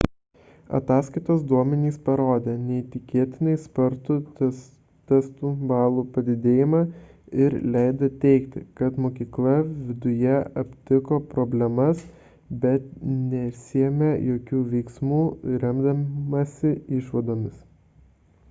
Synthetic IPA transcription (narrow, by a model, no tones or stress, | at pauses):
ɐ̰t̪ɑːskɐɪt̪oːsd̪uɔmʲɛnʲiːspɐɾoːd̪ʲeːnʲɛɪt̪ʲɪkʲeːt̪ʲɪnɐɪspɐɾt̪u | t̪ʲɛst̪uːbɑːlˠuːpɐd̪ʲɪd̪ʲeːjɪmɑːɪɾlʲɛɪd̪ɐt̪ʲɛɪkt̪ʲɪ̰kɐt̪moːkʲiːklˠɐʋʲɪd̪ʊjɛɐpʲt̪ʲɪkoːpɾobʲlʲɛmɐs | bʲɛt̪nʲɛsʲɪɛmʲejoːkʲuːʋʲɛɪksmuːɾʲɛmd̪ɐmɐsʲɪɪʃʋɐd̪oːmʲɪs